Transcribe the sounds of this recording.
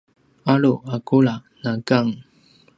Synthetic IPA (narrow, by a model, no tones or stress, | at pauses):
aɭuakuɭanaɡaŋ